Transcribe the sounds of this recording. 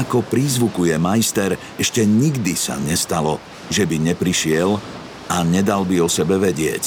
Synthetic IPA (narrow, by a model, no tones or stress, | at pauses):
akɔpɾiːzʋukujɛmajst̪ɛɾ | ɛʃcɛɲiɡd̪isa̰ɲɛst̪alɔ | ʒɛbiɲɛpɾiʃɪɛl | aɲɛd̪albiɔsɛbɛʋɛɟɪɛ̰c